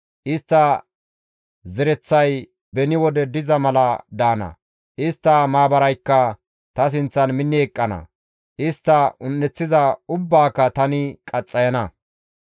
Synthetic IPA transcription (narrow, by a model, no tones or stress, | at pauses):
ʔɪst̪ːɐ | zɛɾɛt͡sːɐj | bɛnɪwɔd̪ɛd̪ɪzɐmɐlɐd̪aːnɐ̰ | ʔɪst̪ːɐmaːbɐɾɐjkːɐ | t̪ɐs̬ɪnt͡sːɐnmɪnːɪɛkʼːɐnɐ̰ | ʔɪst̪ːɐʊnːɛt͡sːɪzɐʊbːaːkːɐt̪ɐnɪkʼɐt͡sʼːɐjɐnɐ